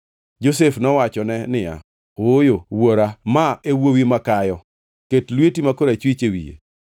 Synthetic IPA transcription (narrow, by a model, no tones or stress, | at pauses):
d͡ʒosefnɔwat͡ʃɔnɛnɪja̰ | ojowoɾamaewowimakajɔ | ketlwetimakoɾat͡ʃwit͡ʃewḭjḛ